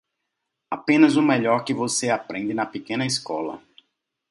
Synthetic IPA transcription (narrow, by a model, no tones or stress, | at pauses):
apẽnɐzʊmɛʎɔɾkɪvoseapɾẽnd̪ɪnɐpekẽnɐiskɔlɐ̰